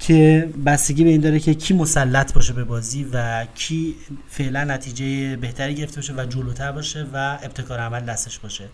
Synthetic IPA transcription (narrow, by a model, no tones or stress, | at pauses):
cʰe̞bæst̪e̞ɟʲiːbe̞iːnd̪ɒːɾecʰe̞cʰiːmo̞sælːæt̪ʰbɒːʃe̞bebɒːziːvæcʰiːfe̞ʔlænːæt̪ʰiːd͡ʒejebeht̪ʰæɾiːɟeɾe̞ft̪eeːʃ̬evæd͡ʒoloːt̪ʰæɾbɒːʃe̞væe̞b̚t̪ʰe̞kʰɒːɾeæmæld̪æst̪e̞ʃbɒːʃe̞